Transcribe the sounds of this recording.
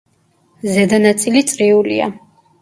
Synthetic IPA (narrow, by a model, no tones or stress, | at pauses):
zɛd̪anat̪sʼilit̪sʼɾiulḭa̰